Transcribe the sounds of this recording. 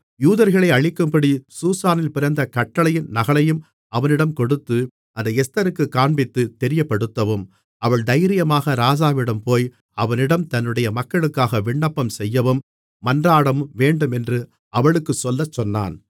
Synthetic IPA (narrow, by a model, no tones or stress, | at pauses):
juːðɐɾɣɐɭɐɪɐɻɪkːɯmpɐɽisuːsaːnɪlpɪɾɐnd̪ɐkɐʈːɐɭɐjɪnnɐɣɐɭɐjɯm | ɐʋɐnɪɽɐmkɔɽɯt̪ːɯ | ʔɐnd̪ɐɛst̪ɐɾɯkːɯkːaːɳbɪt̪ːɯt̪ɛɾɪjɐpːɐɽɯt̪ːɐʋɯm | ʔɐʋɐɭd̪ɐjɾɪjɐmaːɣɐɾaːd͡ʒaːʋɪɽɐmpoːj | ɐʋɐnɪɽɐmt̪ɐnːɯɽɐjɐmɐkːɐɭɯkːaːɣɐʋɪɳːɐpːɐmsɛjːɐʋɯmː | ɐndraːɽɐmʋeːɳɖɯmɛndrɯ | ɐʋɐɭɯkːɯsɔlːɐt͡ʃːɔnːa̰ːn